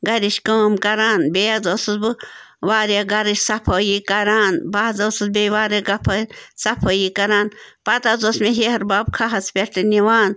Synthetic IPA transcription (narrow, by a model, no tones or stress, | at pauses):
ɡɐɾiʃkəːmkɐɾaːnbejazoːsɨzbɨ | ʋaːɾjaɡɐɾiʃsɐpʰojikɐɾaːnbaːzɐsɨzbeʋaːɾeɡɐpʰɐsɐpʰojikɐɾaːnpɐt̪azosmeɦehɐɾbaːb̚kʰaɦɐspʲeʈɨniʋaːn